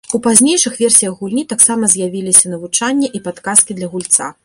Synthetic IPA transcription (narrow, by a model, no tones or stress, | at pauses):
upazʲnʲejʂɨxvʲeɛrsʲijɐɣɣulʲnʲit̪aksamɐzʲjavʲilʲisʲɐnɐvut͡ʂanʲːɛʔipat̪kaskʲid̪lʲɐɣulʲt̪sa̰